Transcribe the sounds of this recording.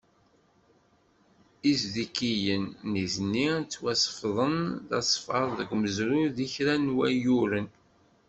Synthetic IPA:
izðikːijənːizənːit͡sːwæsə̥fðˤənðɑsˤfɑɾˤðəɡʷməzɾʊðiçɾænwæjuɾən

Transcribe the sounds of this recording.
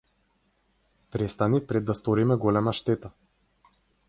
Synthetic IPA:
pɾɛst̪anipɾɛd̪ːast̪ɔɾimɛɡɔlɛmaʃt̪ɛt̪a

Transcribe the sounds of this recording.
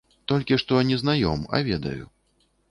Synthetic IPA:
t̪ɔlʲkʲiʂt̪ɔnʲiznajɔ̰mɐ̰vʲɛd̪ɐ̰jṵ

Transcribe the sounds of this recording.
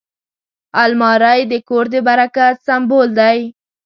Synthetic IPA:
almɑɾajd̪əkoɾd̪əbaɾakasambold̪aj

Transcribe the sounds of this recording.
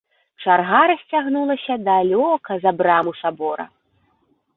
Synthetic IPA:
t͡ʂarɣaɾɐsʲt͡sʲaɣnulˠɐsʲɐd̪alʲɔkɐzɐbɾamusabɔɾɐ̰

